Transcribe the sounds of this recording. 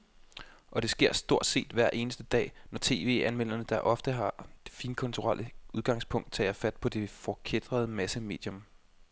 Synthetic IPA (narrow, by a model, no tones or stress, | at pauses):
ʔɒ̽d̥e̝sɡ̥e̝ɐ̰sd̥o̝ɐ̰d̥se̝̰ːd̥ʋæɐ̰ʔe̝ːnəsd̥əd̥ɛ̰ːnɒt͡sʰe̝̰ːʋe̝̰ːænmel̰ɐnəd̥ɑʔɒ̽fd̥əɦɑ̈d̥e̝fiːnkʰɔ̽nt͡sʰuʁɑl̰ʔəuð̞ˠɡ̥ɑ̈ŋ̰spʰɔ̽ŋ̰d̥̚t͡sʰɛ̰ːjɑfæd̥̚pʰɒ̽d̥e̝fɒkʰed̥ʁɐð̞ˠəmæsəme̝̰ːd̥jɔ̽m